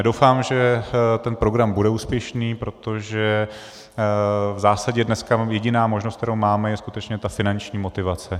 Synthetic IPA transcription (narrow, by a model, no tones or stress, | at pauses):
dowfaːmʒɛt̪ɛnpɾo̞ɡɾambudɛuːspjɛʃniːpɾo̞t̪o̞ʒɛ | vzaːsaɟɛdnɛskajɛɟɪnaːmoʒnost̪̚t̪ɛɾowmaːmɛjɛsku̥t̪ɛt͡ʃɲɛt̪afɪnant͡ʃɲiːmo̞t̪ɪvat͡sɛ